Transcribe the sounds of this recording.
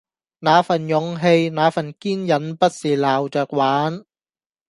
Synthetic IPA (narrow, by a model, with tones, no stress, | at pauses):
naː˨˥fɐ˨˩njʊ˨˧ŋɦe˧jnaː˨˧˥fɐ˨˩nkiː˥njɐ˨˥npɐ˥t̚siː˨˩laː˨˩wt͡ʃœː˨k̚waː˨˥n